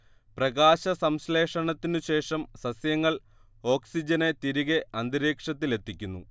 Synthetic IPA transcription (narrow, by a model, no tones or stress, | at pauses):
prɐɡaːɕɐsɐmsle̞ːʂɐɳɐt̪ːinɨɕe̞ːʂɐmsɐsjɐŋːɐɭ | o̞ːksid͡ʑɐnet̪iɾiɣeʔɐnd̪iɾeːkʂɐt̪ːile̞t̪ːikʲːunːu